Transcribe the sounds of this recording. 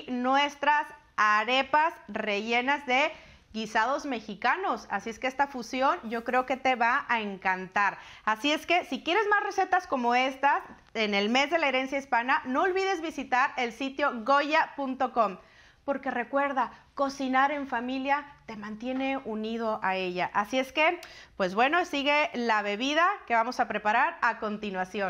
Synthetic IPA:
nwest̪ɾas | aɾe̞pasre̞ʝe̞nazðe̞ | ɣisað̞o̞zme̞xikano̞sasie̞ske̞est̪afusjo̞nɟ͡ʝo̞kɾe̞o̞ke̞t̪e̞βaʔaeŋkant̪aɾasie̞ske̞sikje̞ɾe̞zmazre̞se̞t̪asko̞mo̞e̞st̪as | e̞ne̞lme̞zðe̞laeɾe̞nsjaispanano̞ːlβiðe̞zβisit̪aɾe̞lsit̪jo̞ɣo̞ʝapunt̪o̞ko̞m | po̞ɾkere̞kwe̞ɾðako̞sinaɾe̞ɱfamiljat̪e̞mãnt̪je̞ne̞unið̞o̞ʔae̞ʝaʔasie̞ske̞ | pwe̞zβwe̞no̞siɣe̞laβe̞βiðake̞βamo̞sapɾe̞paɾaɾako̞nt̪inwasjo

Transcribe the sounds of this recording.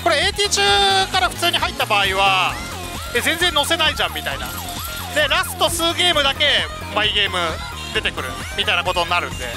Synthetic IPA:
ko̞ɾe̞eːt̪ʲiːt͡ɕɨːkaɾaɸɯ̟̥t͡sɨːɲ̟iɦait̪ːabaːiβ̞a | ezẽ̞nd͡zẽ̞nːo̞se̞naiʑãmːʲit̪aina̰ | d̪e̞ɾasɨ̥t̪o̞sɨːɡe̞ːmɯ̟d̪ake̞ | maiɡe̞ːmɯ̟ | d̪e̞t̪e̞kɯ̟ɾɯ̟ | mʲit̪ainako̞t̪oɲ̟inaɾɯ̟̰̃nd̪e̞̰

